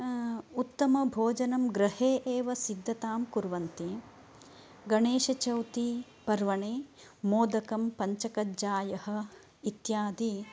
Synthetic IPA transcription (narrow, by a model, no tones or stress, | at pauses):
ut̪ːɐmɐbʱoːd͡ʒɐnɐmɡɾɐheːʔeːʋɐsid̪ʱːɐt̪aːmkuɾʋɐnt̪i | ɡɐɳeːʃɐt͡ʃɐwt̪i | pɐɾʋɐɳeː | moːd̪ɐkɐmpɐɲt͡ʃɐkɐd͡ʒaːjɐhɐ̆ | it̪jaːd̪i